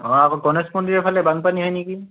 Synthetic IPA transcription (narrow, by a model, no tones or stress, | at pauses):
ɔakɔɡɔnɛsmɔndiɹɛpʰalɛbaŋpaniɦɔjniki